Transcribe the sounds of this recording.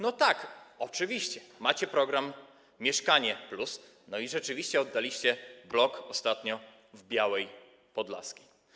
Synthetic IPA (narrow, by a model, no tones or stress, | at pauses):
nɔt̪akɔt͡ʂɘvʲiɕt͡ɕɛmat͡ɕɛpɾɔɡɾamʲː | jɛʂkaɲɛplus | nɔiʐɛt͡ʂɘvʲiɕt͡ɕɛɔd̪ːalʲiɕt͡ɕɛblɔkɔst̪at̪ɲɔ | vbʲjawɛj | pɔd̪la̰skʲi̥